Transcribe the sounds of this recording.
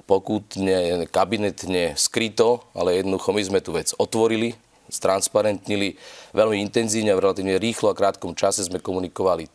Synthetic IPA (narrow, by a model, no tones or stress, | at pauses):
pɔkut̪ɲɛkabinɛt̪ɲɛskɾit̪ɔa̰lɛjɛd̪nɔd̪uxɔmizmɛt̪uːʋɛd͡zɔt̪ʋɔɾili | st̪ɾanspaɾɛnt̪ɲiliʋɛlmiint̪ɛnziːʊɲɛavɾɛlat̪iːʊɲɛɾiːxlɔakɾaːt̪kɔmt͡ʃasɛzmɛkɔmunikɔʋali